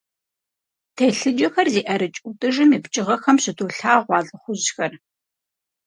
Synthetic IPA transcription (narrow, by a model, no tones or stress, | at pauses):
tʰeɬɨd͡ʒɐxɐrziːʔɐɾɨt͡ʃʼʊtʼɨʒɨmiːpt͡ʃʼɪʁɐxɐmɕɪtʰoːɬaːʁʷɑːɮʼɨχʷʊʑxɐr